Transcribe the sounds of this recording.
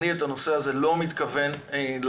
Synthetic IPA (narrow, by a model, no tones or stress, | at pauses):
ietano̞seazelo̞mit̪kɐve̞nel